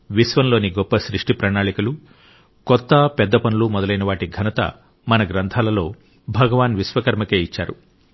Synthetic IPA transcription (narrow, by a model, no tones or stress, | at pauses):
ʋisʋɐnlo̞ːniɡɔpːɐʃɾiʂʈipɾɐnaːɭikulu | kɔt̪ːɐpɛd̪ːɐpɐnulumɔd̪ɐlɐjnɐʋaːʈiɡʱɐnɐt̪ɐ̰ | mɐnɐɡɾɐnt̪ʰaːlɐlo̞ː | bʱɐɡɐʋaːnʋisʋɐkɐɾmɐkeːit͡ʃːa̰ːɾu